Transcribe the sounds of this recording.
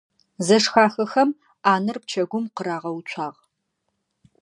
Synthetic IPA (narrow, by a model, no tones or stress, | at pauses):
zɐʂxaːxɐxɐm | aːnɨrp̚t͡ʃʰɐɡʷʊmqəɾaːʁɐwut͡ʃʷʰaːʁ